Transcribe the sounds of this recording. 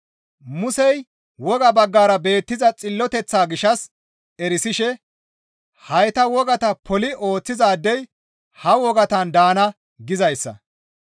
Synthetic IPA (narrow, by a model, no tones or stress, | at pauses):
mʊsɛj | wɔɡɐbɐɡːaːɾɐbe̞ːt̪ːɪzɐt͡sʼɪlːɔt̪ɛt͡sːaːɡɪʃɐs | ɛɾɪsɪʃɛ | hɐjt̪ɐwɔɡɐt̪ɐpʰɔlɪo̞ːt͡sːɪzaːd̪ːɛj | hɐwɔɡɐt̪ɐnd̪aːnɐ | ɡɪzɐjsːɐ̰